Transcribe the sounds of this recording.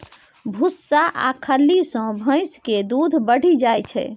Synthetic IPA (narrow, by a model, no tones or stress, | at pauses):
bʱusːaʔa̰kʰəlːisə̃bʱə̃jsked̪ud̪ʱbəɽ̤id͡ʒajt͡ʃʰɛ̰